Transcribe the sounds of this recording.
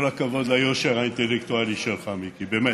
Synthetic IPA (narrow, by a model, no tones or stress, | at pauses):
ɾakavod̪lajoʃeʁaint̪elekt̪ualiʃeɾχamikibeːmɛ